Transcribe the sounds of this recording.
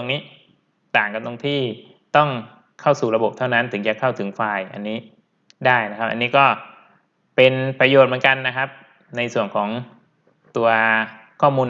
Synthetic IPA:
o˧ŋniː˦˥ | t̪aː˨˩ŋka˧˩t̪o˧ŋt̪ʰiː˥˩ | t̪ɔ˥˩ŋ | kʰa˥˩wsuː˨˩ɾa˧bo˨˩p̚t̪ʰa˥˩wna˦˥nt̪ʰɯ˩˦ŋt͡ɕa˨˩kʰa˥˩wt̪ʰɯ˩˦ŋfaː˧jʔa̰˧nːiː˦˥ | daː˥˩jna˦˥kʰa˦˥p̚ʔa̰˧nːiː˦˥kɔː˥˩ | pe˧npɾa˧joː˨˩t̪̚m˩˦nŋka˧nːa˦˥kʰa˦˥p̚ | na˧jsu˨˩ənkʰɔː˩˦ŋ | t̪u˧ɐ | kʰɔː˥˩muː˧n

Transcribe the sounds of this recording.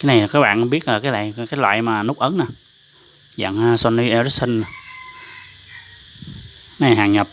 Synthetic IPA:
kaː˨˦na˨˩jla˨˩kaː˨˦jɓa̰ː˧˨ʔa˨˧˦ɓi˦˥ət̚laː˨˩kaː˨˦jla̰ː˧˨kaː˨˦jlwa̰ː˧˨jmaː˨˩nʊ˦˥k͡p̚ʔə˨˦nːaː˨˩ | za̰˧˨ŋa˨˧sɔ˧ni˧ʔɛ˧ɾi˦˥sə˧n˨˩ | na˨˩jɦaː˨˩ŋɲə˨˩p̚

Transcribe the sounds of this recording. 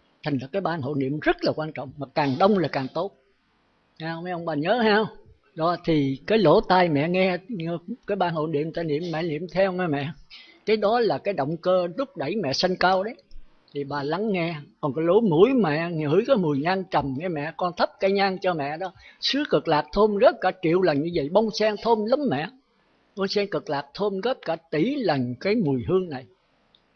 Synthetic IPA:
t̪ʰa˨˩ŋ̟laː˨˩kaː˨˦jɓaː˧nɦo̰˧˨nḭ˧˨əmzə˦˥t̚laː˨˩kwaː˧nt͡ɕɔ̰˧˨wŋ͡mmaː˨˩kaː˨˩ŋɗə˧wŋ͡mlaː˨˩kaː˨˩ŋt̪o˦˥t̚ | haː˧wma˨˦jʔə˧wŋ͡mɓaː˨˩ɲəː˨˦haː˧w | ɗɔ˧˨˦t̪ʰi˨˩kaː˨˦jlo̰˧˩˦t̪aː˧jmɛ̰˧˨ŋɛ˧kaː˨˦jɓaː˧˩nho̰˧˨ni˧˨əmt̪aː˧jnḭ˧˨əmːɛ̰˧˨nḭ˧˨əmt̪ʰɛ˧wŋɛ˧mɛ̰˧˨ | kaː˨˦jɗɔ˨˦laː˨˩kaː˨˦jɗə̰˧˨wŋ͡mkəː˧zʊ˦˥k͡p̚ɗə˧˩jmɛ̰˧˨sə˧ŋkaː˧wɗə˨˦j | t̪ʰi˨˩ɓaː˨˩la˨˦ŋːɛ˧kɔ˨˩nkɔ˨˦lo˨˦mu˧˥əjmɛ̰˧˨ŋɨ̰ː˧˨˥jkaː˨˦jmu˨˩əjɲaː˧nt͡ɕə˨˩mŋɛ˧mɛ̰˧˨kɔ˧nt̪ʰə˦˥p̚kaː˨˦jɲaː˧ŋt͡ɕɔ˧mɛ̰˧˨ɗɔ˨˦sɨ˨˦əkə˨˩k̚laː˨˩k̚t̪ʰo˧mɣə˦˥p̚kaː˧˩t͡ɕḭ˧˨əwlə˨˩nɲɨ˧və̰˧˨jɓɔ˧wŋ͡msɛː˧ŋt̪ʰo˧mlə˨˦mːɛ̰˧˨ | ɓɔ˧wŋ͡msɛː˧ŋkə˨˩k̚laː˨˩k̚t̪ʰo˧mɣə˦˥p̚kaː˧˩t̪i˧˩˦lə˨˩nkaː˨˦jmu˨˩əjɦɨ˧əŋna˨˩j

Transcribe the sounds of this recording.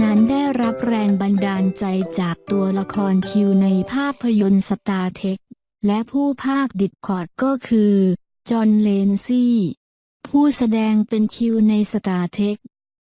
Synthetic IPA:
na˦˥nda˥˩jɾa˦˥p̚ɾɛː˧ŋba˧ndaː˧nt͡ɕa˧jt͡ɕaː˨˩k̚t̪u˧ɐla˧kʰɔː˧nkʰi˧wna˧jpʰaː˥˩k̚pʰːa˧jo˧nsa˧t̪aː˧t̪ʰe˦˥k̚ | lɛ˦˥ʔpʰuː˥˩pʰaː˥˩k̚di˨˩t̪̚kʰɔː˨˩t̪̚kɔː˥˩kʰɯː˧ | t͡ɕɔː˧nleː˧nsiː˥˩ | pʰuː˥˩sa˧dɛː˧ŋpe˧nkʰi˧wna˧jsa˧t̪aː˧t̪ʰe˦˥k̚

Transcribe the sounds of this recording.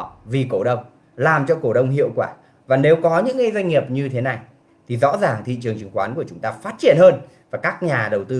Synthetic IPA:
vi˨˩ko̰˧˩ɗə˧wŋ͡m | laː˨˩mt͡ɕɔ˧ko˧˩ɗə˧wŋ͡mɦḭ˧˨əwkwaː˧˩ | vaː˨˩ne˨˦wkɔ˨˦ɲɨ̰˧˥ŋːi˧jzwa˧jŋ̟ŋi˨˩əp̚ɲɨ˧t̪ʰe˨˦na˨˩j | t̪ʰi˨˩zɔ̰˧˥zaː˨˩ŋt̪ʰḭ˧˨t͡ɕɨ˨˩əŋt͡ɕɨ˨əŋxwaː˨˦nku˧˩ət͡ɕʊ˨˦ŋ͡mt̪aː˧faː˦˥t̚t͡ɕi˧˩ənhəː˧n | vaː˨˩kaː˦˥k̚ɲaː˨˩ɗə˨˩wt̪ɨ˧

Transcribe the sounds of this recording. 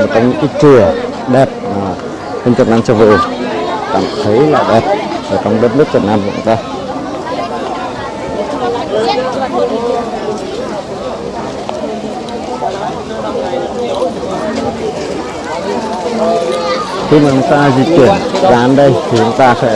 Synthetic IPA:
o˨˩t̚t͡ɕɔ˧wŋ͡mɲɨ̰˧˥ŋkaː˨˦t͡ɕɨ˨˩ə | ɗɛ˨˩p̚maː˨˩ | hə˧ŋ̟t͡ɕə˨˩t̚naː˧mt͡ɕɨ˧˩vṵ˧˨˩ŋka̰ː˧˩˨mt̪ʰə˨˦jla̰ː˧˩ɗɛ˨˩p̚ʔəː˧˩t͡ɕɔ˧wŋ͡mɗə˦˥t̚nɨ˦˥ək̚t͡ɕə˨˩t̚naː˧mkə̰˨˧˨t͡ɕʊ̰˧ŋ͡mt̪aː˧ | xi˧maː˨˩t͡ɕʊ˨˦ŋ͡mt̪aː˧zi˨˩t̚kwi˧˩ənzaː˨˧˩ʔa˨˦nɗə˧jt̪ʰi˨˩t͡ɕʊ˨˦ŋ͡mt̪aː˧fa̰˧˥

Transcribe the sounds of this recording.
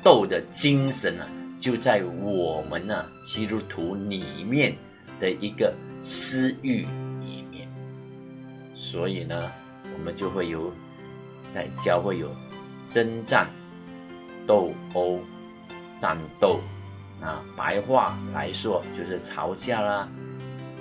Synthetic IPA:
t̪o˥˩ʊd̪ə˨t͡ɕi˥ŋʂə˧˥nə̰˧t͡ɕjo˥˧ʊt͡sa˥˩ɪwɔ˨˩mə˧˦nə˦˧ | t͡ɕi˥t̪u˥t̪ʰu˧˥li˨˩mjɛ˥˨n | d̪̥ə˨ʔi˧˥ɡə˨sɹ̩˥y˥˩lḭ˨˩mjɛ̰˥˩n | swɔ˧˥i˨˩nə˦ | wɔ˨˩mə˦nt͡ɕjo˥˧ʊxwe˥˩ɪjo˨˧˩ʊ | t͡sa˥˧ɪt͡ɕjɑ˥˧ʊxwe˥˩ɪjo˨˩ʊ | ʂə˥nt͡sa˥˩n | t̪o˥˨˩ʊo˥ʊ | t͡sa̰˥˧nt̪o˥˩ʊ | na˥˧pa̰˧˥ɪxwa˥˩la̰˧˥ɪʂwɔ˥t͡ɕjo˥˧ʊʂɻ̩˥˩t͡sʰɑ̰˧˥ʊɕja˥˩lə˨

